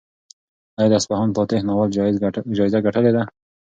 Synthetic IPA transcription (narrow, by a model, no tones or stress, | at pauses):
ajd̪aspaɦɔnpɔt̪ehnawald͡ʒɑjzaɡaʈəled̪a